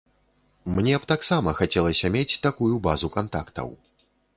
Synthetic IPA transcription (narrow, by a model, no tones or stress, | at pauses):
mnʲɛpt̪aksamɐxat͡sʲɛlˠɐsʲɐmʲet͡sʲt̪akujubazukant̪a̰kt̪ɐ̰w